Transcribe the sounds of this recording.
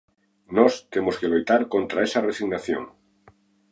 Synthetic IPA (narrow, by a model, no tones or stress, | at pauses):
nost̪emoskelujt̪aɾkont̪ɾaesaresiɣnaθjo̰ŋ